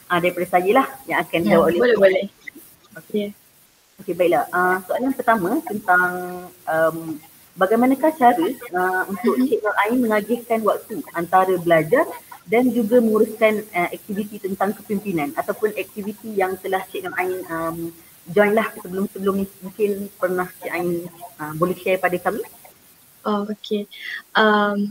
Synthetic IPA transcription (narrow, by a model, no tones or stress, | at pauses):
ʔadaɾipadasajəlahjãŋakanklawat̪olɛaa | oke | okebaik̚lahʔəsoaljaŋpərt̪amãt̪ənt̪aŋʔəm | baɡajmanãkaht͡ʃaɾəəunt̪ʊkt͡ʃɛʔ̚nɔlʔainmə̃ŋaɡɪhkanwak̚t̪uant̪aɾəbəlad͡ʒardand͡ʒuɡamə̃ŋuɾuskanəɛk̚t̪ivit̪it̪ənt̪aŋkə̥pimpinãnat̪awpʊnɛk̚t̪ivit̪ijaŋt̪əlaht͡ʃɛk̚nɔlʔaɪnəm | d͡ʒɔjnlahsəbəlʊmsəbəlʊmmũŋkɪnpərnaht͡ʃɛʔainəmbolɛsiajpadakami | ʔookʰeʔəm